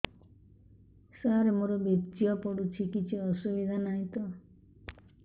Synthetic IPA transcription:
saɾemoɾɔbet͡ʃiɔpɔɽut͡ʃʰikit͡ʃʰiɔsubid̪ʱanaĩt̪ɔ

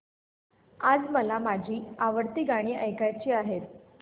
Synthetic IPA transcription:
ad͡zməlamad͡ʑʱiːaʋəɾt̪iːɡaɽ̃iːʔəjkat͡ɕiːaɦet̪̚

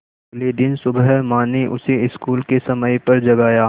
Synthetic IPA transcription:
ɐɡled̪ɪnsʊbəmaːneʔʊsiɪskuːlkesɐməjpɐɾd͡ʒɐɡaːjaː

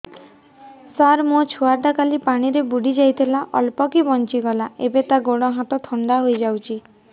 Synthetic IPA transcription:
saɾmõt͡ʃʰuaɾd̪akalipaɽ̃iɾebuɽid͡ʒajt̪ʰilaʔɔ̰lpɔkibɔnt͡ʃiɡɔlaḛbet̪aɡoɽ̃ɔɦãt̪ɔt̪ʰɔnd̪aɦojd͡ʒawt͡ʃʰi

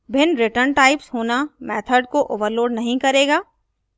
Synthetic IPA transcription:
bʱɪnɾɪʈəɾnʈaːɪpsɦoːnamɛːt̪ʰəɾɖ̚koʔoːʋəɾloːɖnɐɦĩkɐɾeːɡaː

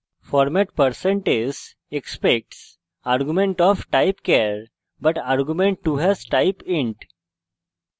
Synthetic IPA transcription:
fɔːɾmɛʈ̚pəɾsẽɳʈed͡ʒz | ekspek̚ʈs | aɾɡjumẽɳʈɔːfʈaɪpkeɾ | bɐʈaɾɡjumẽɳʈʈːuɦɪzʈaɪpɪ̃ɳʈ

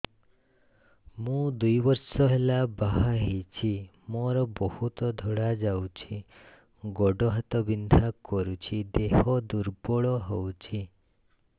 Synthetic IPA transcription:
mũd̪ujbɔɾsɔɦelabaɦaɦit͡ʃʰi | mɔɾɔbɔhut̪ɔd̪ʱɔɽad͡ʒawt͡ʃʰi | ɡɔɖɔɦat̪ɔbind̪ʱakɔɾut͡ʃʰid̪eɦɔd̪uɾbɔɭɔɦowt͡ʃʰi

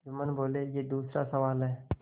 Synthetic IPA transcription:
d͡ʒʊmənboːlejed̪uːsɾasəʋaːlɦɛː

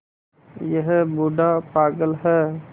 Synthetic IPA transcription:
jəɦbuɖapaːɡəlɦɛː

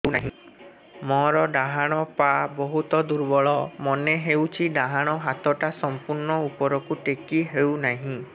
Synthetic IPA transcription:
na̰ɦĩ | mɔɾɔɖaɦaɽ̃ɔpabɔɦut̪ɔd̪uɾbɔɭɔmɔneɦewt͡ʃʰiɖaɦaɽ̃ɔɦat̪ɔʈasɔmpuɾnɔupɔɾɔkuʈekiɦewnaɦĩ

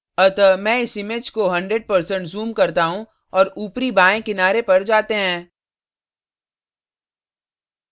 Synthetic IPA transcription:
ɐt̪əmɛ̃ːɪsɪmɪd͡ʒkoɦɐ̃ɳɖɾeɖ̚pɐɾsə̃ɳʈzuːmkɐɾt̪aɦũ | ɔːɾuːpɾibaːẽkɪnaːɾepɐɾd͡ʒaːt̪eɦɛ̃ː

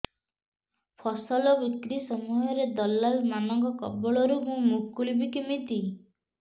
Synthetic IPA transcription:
pʰɔsɔlɔbikɾisɔmuɦɔɾed̪ɔlːalmanɔŋkɔkɔ̰bɔɭɔɾumũmukːulibikimit̪i

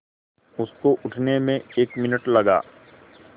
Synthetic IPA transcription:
ʊskoʔʊʈʰnemẽeːkmɪnəʈlɐɡa̰ː

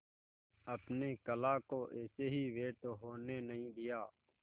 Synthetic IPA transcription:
əpneːkəlaːkoːʔeːseːɦiːʋeːʈoːɦoːneːnəɦĩːd̪ijaː

